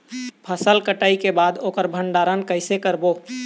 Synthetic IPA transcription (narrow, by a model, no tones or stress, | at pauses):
pʰəsəlkəʈaːikebaːd̪oːkəɾbʱəɳɖaːɾənkəɪsekəɾboː